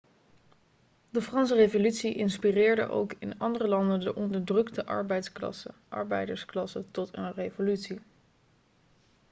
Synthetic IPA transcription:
dəfrɑnsərejvolytsiʔɪnspirɪːɹdə̰ʔo̰wkɪ̰nɑndərəlɑndəndəʔɔndəɹdrɵktəʔɑ̰ɹbɛjtsklɑ̰sə̰ʔɑ̰ɹbɛ̰jdəɹsklɑsətɔtə̰nrejvolytsi

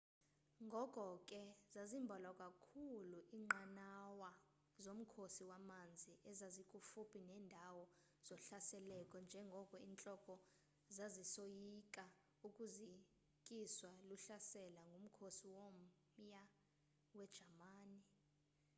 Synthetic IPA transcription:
ŋɡʱɔkʼɔkʼɛzazimbʱalakʼakʰuluʔiːŋ͡ǃanawa | zom̩kʰosiwamand͡zʱiʔɛzazikʼufupʰʼinɛːndʱawɔ | z̥ɔɬasɛlɛkʼɔnd͡ʒʱɛŋɡʱɔkʼɔiːnt͡ɬʼɔkʼɔ | zazisojikʼa | ukʼuzi | kʼiswaluɬasɛlaŋɡʱum̩kʰosiwom | ja | wɛd̥ʒ̥ʱamaːni

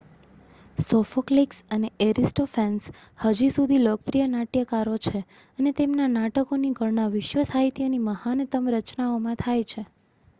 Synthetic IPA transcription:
sɔfokliksəneeɾisʈofʰɛns | həd͡ʒisud̪ʱilok̚pɾijənaʈjəkaɾot͡ʃʰe | ənet̪emnanaʈəkoniɡʱəɾɳaʋɪʃʋəsaɦit̪ijoniməhant̪əmɾət͡ʃnaomãt̪ʰajt͡ʃʰe

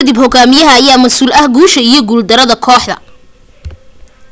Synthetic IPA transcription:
d̪ibhɔɡaːmɪjɐɦɐːjaːmɐsuːlɐhɡuːʃɐijɞɡuːld̪ɐɾɐðɐkʰɔːħðɐ̰

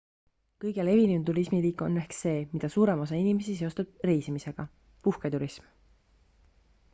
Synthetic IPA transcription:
kɤjɡ̥ele̞viniunt̪uɾismiliːkːˑo̞nːehkse̞ːmid̪̥ɑsuːɾe̞mo̞s̬ɑinime̞sise̞ost̪ud̪̥̚re̞jsimise̞ɡ̥ɑ | puhkɑjt̪uɾism

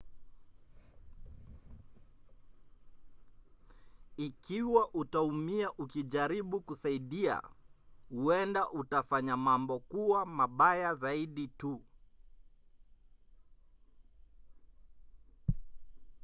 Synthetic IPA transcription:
ikiwaʔutaumiaʔukiʄaɾiɓukusaiɗia̰huɛndaʔutafaɲamambɔkuamaɓajazaiɗitu

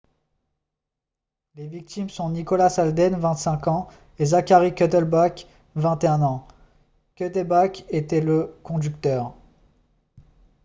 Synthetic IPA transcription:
levik̚t̪imsɔ̃nikɔlasald̪ɛnvɛ̃t̪sɛ̃kɑ̃ | ezakʲaʁikʲøt̪ɛlbak | vɛ̃t̪eɛ̃nɑ̃ | kʲøt̪ɛlbaket̪ɛləkɔ̃d̪yk̚t̪œːʁ

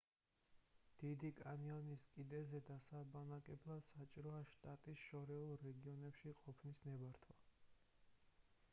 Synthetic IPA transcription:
d̪̥id̪ikʼanianiskʼid̪ɛzɛd̪asabanakʼɛblˠad̪̥sat͡ʃʼiɾɔaʃt̪ʼat̪ʼisʃɔɾɛulˠɾɛɡiɔnɛpʃiqʼɔpʰnisnɛbaɾt̪ʰwa

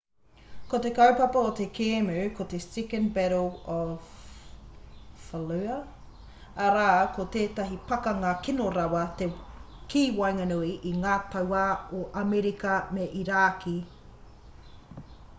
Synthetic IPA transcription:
kot̪e̞kɐwpɐpɐot̪ekʰeːmʉːkʰot̪estikənbɛɾoɔv | ɐlʉɐ | ɐɾaːkot̪eːt̪ɐɦipɐkɐŋaːkinoɾɐwɐt̪e | kiːwɐjŋɐnuiʔiŋaːt̪ʰɐwaːoʔɐmeɾikɐmeʔiɾaːkʰi

